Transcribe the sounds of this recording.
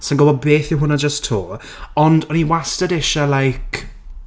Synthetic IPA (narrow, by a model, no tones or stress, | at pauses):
sənɡʊbɔd̚beːθjʊwɦʊnad͡ʒəstʰːoː | ɔndɔniwastədɪʃalajkʰ